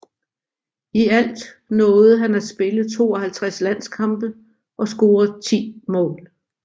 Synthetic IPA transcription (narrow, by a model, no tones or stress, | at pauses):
iæl̰d̥ | nɔ̽ːð̩ˠɦænæsb̥e̝ləð̩ˠt͡sʰo̝̰ːɒhælt͡sʰʁaslæn̰skʰɑ̈mb̥ə | ʔɒ̽sɡ̥o̝ːɐð̩ˠt͡sʰḭːmɔ̰̽ːl